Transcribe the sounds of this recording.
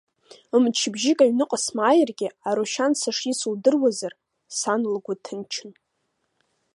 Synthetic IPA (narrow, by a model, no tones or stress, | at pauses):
mt͡ʃʰɪbʒɪkʼaɥnɨqʼasmaːjɪrɡʲɪaɾuʃansaʂisuldɨrwazar | sanlɡʷatʰɨnt͡ʃʰɪn